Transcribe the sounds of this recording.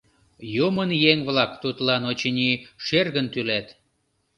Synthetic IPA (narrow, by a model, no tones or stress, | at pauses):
jumənjeŋβlɑkt̪ut̪lɑnot͡ɕənʲiʃerɣənt̪ylæt̪